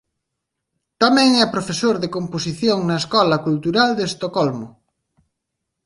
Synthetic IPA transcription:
t̪amɛ̃ŋɛpɾofesoɾðekompos̬iθjoŋnɐeskɔlɐkult̪uɾald̪est̪okɔlmo

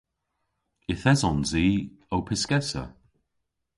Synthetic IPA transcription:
ɪθɛzɔnziː | owpʰɪskɛsə̰

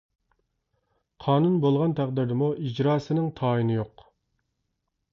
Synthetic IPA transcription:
qʰɑːnunbolˠʁɑnt̪ʰæqd̪ɪɾd̪ɪmuʔid͡ʒɾɑːsɨnɪŋt̪ʰɑːinɪjoq

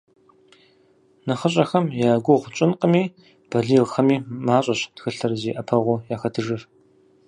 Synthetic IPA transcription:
nɨχɐɕʼɐxɐmjaːɡʷʊʁʷʊt͡ʃʼɪnqʼəmiː | b̥ɐɮiːʁxɐmiːmaːɕʼɐɕtxɨɬɐrɨziːʔɐpʰɐʁʷʊjaːxɐtʰɨʐɨr

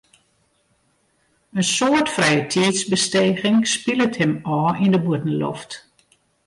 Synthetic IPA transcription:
ənsoətfrɛjətʰiːtsbəsteːɣɪŋspiləthɪmɔːindəbuətn̩lo̰ft

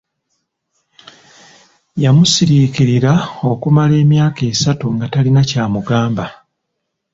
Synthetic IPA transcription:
jamusiɾikiɾiɾao̞kumale̞ːmjaːke̞ːsatuŋɡatalinacaːmuɡaːmba

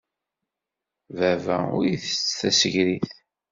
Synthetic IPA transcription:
vævæ̰ʊ̰ɾjiθə̥t͡sːθæsəʝɾiθ

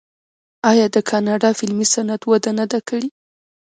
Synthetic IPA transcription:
ɑjɑd̪əkʰɑnɑɖɑfɪlmisanat̪wad̪anad̪akəɽi

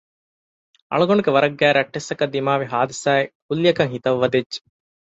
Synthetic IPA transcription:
ɐ̰ɭɐɡoɳukeʋɐɾɐɡːæːɾɐʈːesːɐkɐd̪ːimaːʋiɦaːd̪ɐsaːek̚ʰulːijɐkɐŋɦit̪ɐʋːɐd̪ed͡ʒːe̥

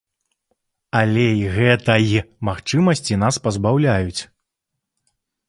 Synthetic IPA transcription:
alʲeiɣɛt̪ɐjimaxt͡ʂɨmɐsʲt͡sʲinaspɐzbawlʲajut͡sʲ

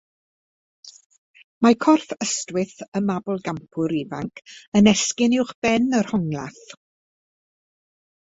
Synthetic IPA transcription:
makʰɔrfəstwɪθəmabɔlˠɡampʰʊɾiva̰ŋkʰənɛskɪnɪwχb̥ɛnərhɔŋlˠa̰θ

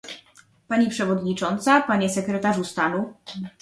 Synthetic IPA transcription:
paɲipʂɛvɔd̪ɲit͡ʂɔnt̪sapaɲɛsɛkɾɛt̪aʐust̪anu

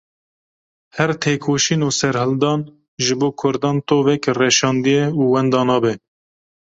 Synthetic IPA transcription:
hɛɾt̪ʰeːkʰoːʃiːnuːsɛɾhɨld̪ɑːn | ʒɨboːkʰʊɾd̪ɑːnt̪oːvɛkrɛʃɑːnd̪ijɛuːwɛnd̪ɑːnɑːbɛ

